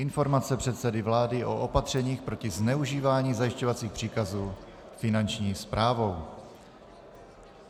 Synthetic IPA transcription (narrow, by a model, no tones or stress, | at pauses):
ʔɪnfo̞ɾmatt͡sɛpr̝̥ɛt̪sɛdɪvlaːdɪʔo̞ʔopat̪r̝̥ɛɲiːxpɾo̞cɪznɛuʒiːvaːɲiːzajɪʃcovat͡siːxpr̝̥iːkazuː | fɪnant͡ʃɲiːspɾaːvo̞w